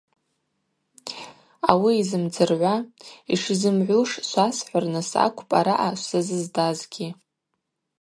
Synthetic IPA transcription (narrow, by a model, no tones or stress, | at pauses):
a̰wiːzɨmd͡zɨrʕʷaḭʂizɨmʕʷʊʂʃʷasħʷarnɨsa̰kʷʰʼpʼaɾaʔaʃʷsazɨzdazɡʲi